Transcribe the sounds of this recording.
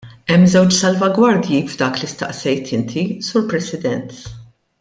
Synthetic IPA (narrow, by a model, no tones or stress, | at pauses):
ɛmːzɛwt͡ʃsɐlvɐɡwɐɾd̪jivd̪ɐːklist̪ɐ̰ʔsɛjt̪ʰɪnt̪ʰisuːɾpɾɛsɪd̪ɛnt̪